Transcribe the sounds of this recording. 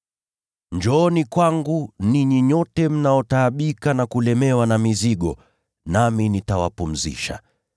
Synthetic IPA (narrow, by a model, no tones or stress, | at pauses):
ɲd͡ʒɔːnikwaŋɡuniɲiɲɔtɛm̩naɔtaːɓikanakulɛmɛwanamiziɠɔ | naminitawa̰pum̩zḭʃa̰